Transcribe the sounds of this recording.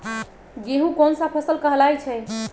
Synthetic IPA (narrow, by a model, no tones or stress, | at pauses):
d͡ʒeɦũkonsãpʰəsəlkəɦlajt͡ʃʰɛ